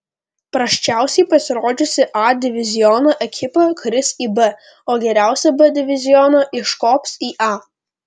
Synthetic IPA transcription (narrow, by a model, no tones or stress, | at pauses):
pɾɐʃʲt͡ʃʲæˑʊsʲɛɪpɐsʲɪɾoːd͡ʒʲʊsʲɪʔɑd̪ʲɪʋʲɪzʲɪjɔnoːʔɛkʲɪpɐkɾʲɪsiːbɛ | oːɡʲɛɾʲæˑʊsʲɛbɛd̪ʲɪʋʲɪzʲɪjɔnoːʔɪʃkɔːpsiːʔɑː